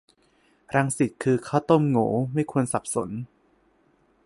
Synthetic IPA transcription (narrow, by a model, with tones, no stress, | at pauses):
ɾa˧ŋsi˨˩t̪̚kʰɯː˧kʰaː˥˩wt̪o˥˩˨mŋoː˩˦ma˥˩jkʰu˧ənsa˨˩p̚so̰˩˦n